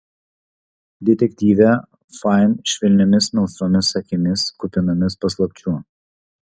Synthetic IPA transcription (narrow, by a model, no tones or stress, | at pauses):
d̪ʲɛt̪ʲɛkʲt̪ʲiːʋʲɛ | fɑɪnʃʲʋʲɪlʲnʲɛmʲɪsmʲɛlˠsoːmʲɪsɐkʲɪmʲɪskʊpʲɪnɐmʲɪspɐslˠɐpʲt͡ʃʲu